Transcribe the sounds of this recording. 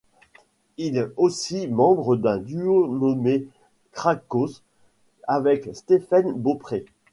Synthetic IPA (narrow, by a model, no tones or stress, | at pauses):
ilɛosimɑ̃bʁəd̪ɛ̃d̪yonɔme | kχakos | avɛkst̪efanbopχe